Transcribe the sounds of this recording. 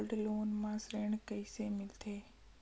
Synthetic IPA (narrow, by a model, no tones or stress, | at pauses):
lɖloːnmãːsɾeːɳ̃kəisemɪlt̪ʰeː